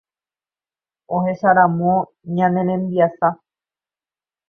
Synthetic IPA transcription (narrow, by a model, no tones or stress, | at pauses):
oɦe̞ʃaɾãmõ | ɲãnẽ̞ɾẽ̞mbiasa